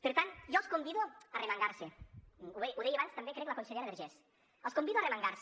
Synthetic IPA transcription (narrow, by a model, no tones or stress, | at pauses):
peɾt̪ant̪ʒɔskombiðoaremaŋɡaɾseuβɛʔuðɛjaβanst̪ambekɾɛklakonseʎeɾaðeɾʒɛs | əlˠskombiðoaremaŋɡaɾs